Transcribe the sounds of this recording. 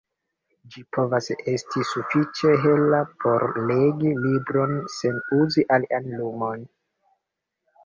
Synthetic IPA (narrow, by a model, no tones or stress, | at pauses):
d͡ʒipʰo̞vase̞stʰisufit͡ʃe̞ɦe̞lapʰo̞ɾle̞ɡilibɾo̞nse̞nuziʔaliʔanlumo̞n